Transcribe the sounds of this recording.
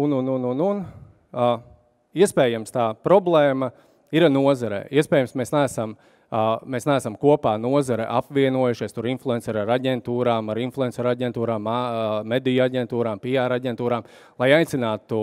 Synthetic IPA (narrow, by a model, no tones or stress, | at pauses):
ununununun | iɛspɛːjamst̪aːpɾɔblˠeːmɐ | iɾanuɔzaɾḛːʔiɛspɛːjamsmesnɛːsam | meːsnææsamkuɔpaːnuɔzaɾɛʔapʋiɛnuɔjuʃiɛst̪uɾinflˠuɛnsɛɾaɾaɟʲɛnt̪uːɾaːmaɾinflˠuɛnsɛɾaɟʲɛnt̪uːɾaːmamed̪ijaɟʲɛnt̪uːɾaːmpiaːɾaɟʲɛnt̪uːɾaːm | lˠajajt̪sinaːt̪u